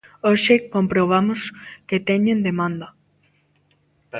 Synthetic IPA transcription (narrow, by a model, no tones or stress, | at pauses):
oʃekompɾoβamosket̪ɛɲẽnd̪emãnd̪ɐ